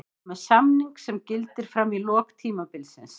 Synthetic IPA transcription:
mɛðsamniŋksɛmcɪlt̪ɪɾ̥fɾamːilɔːkt̪ʰiːmapɪlsɪns

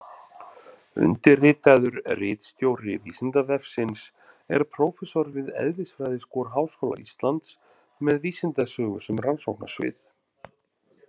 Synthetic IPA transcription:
ʏ̰nt̪ɪrɪːt̪ajðʏɾrɪːt̪st̪joːwɾɪviːsɪnt̪avɛfsɪns | ɛ̰ɾ̥pʰɾowfɛsɔɾvɪðɛ̰ðvɪsfɾajðɪskɔːɾɦaːwskowla̰ʔist̪lant̪s | mɛðviːsɪnt̪asœːɣʏsɛmransowhkna̰svɪ̰θ

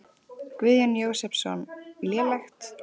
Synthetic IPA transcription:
kvɪðjanjoːwsɛpsɔ̰nlɛːlɛxt̪

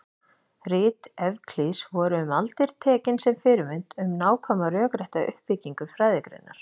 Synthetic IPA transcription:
rɪːt̪ɛvkʰlisvɔːɾʏʏmalt̪ɪɾ̥t̪ʰɛːcɪnsɛmfɪɾɪmɪnt̪ʏmnaːwkʰɔmarœːkɾɛht̪aʏ̰hpvɪciŋkʏfɾaːjðɪkɾḛnːa̰ɾ̥

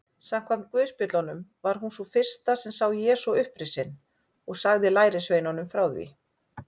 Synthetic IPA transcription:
sam̥kʰvamt̪̚kvʏːspɪt̪lɔnʏmvaɾ̥ɦunsɔfɪr̥st̪asɛmsawjɛːsɔʏhpɾɪsɪn | ɔɣsaɣðɪlaːjɾɪsvejnanʏmfɾawðvḭ

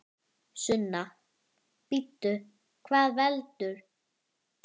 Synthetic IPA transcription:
sʏnːa | pit̪ːʏ | kʰvaːðvɛlt̪ʏɾ̥

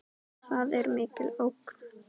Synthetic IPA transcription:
θaðɛɾmɪːkɪlowkn̥

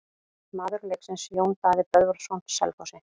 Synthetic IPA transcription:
maːðʏɾleksɪnsjoːwnt̪aːðɪpœðvɔɾsownt̪sɛ̰lfɔwsɪ

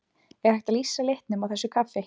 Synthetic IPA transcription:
ɛɣhajxt̪aðlisːalejht̪nʏmawθɛsːʏkʰafe

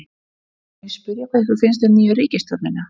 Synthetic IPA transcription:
ɛspʏɾjakʰaðθufɪns̬t̪ɛmniːjʏɾiːcɪst̪ɔɾnɪnːa

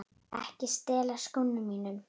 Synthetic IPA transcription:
ɛ̰hcɪst̪ɛːlaskʊnːʏmiːnʏm

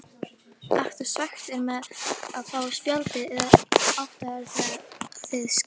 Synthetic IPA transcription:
aht̪ʏɾ̥svɛht̪ɛɾmɛðaðfaːwaspjalt̪ɪɛðaðɔft̪aɛɾθaθɪðs

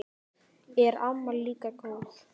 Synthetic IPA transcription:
ɛɾamːalikakoθ

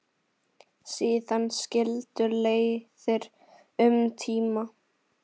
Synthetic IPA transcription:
siːðanːscɪlt̪ʏleːjθɪɾ | ʏmt̪ʰiːma

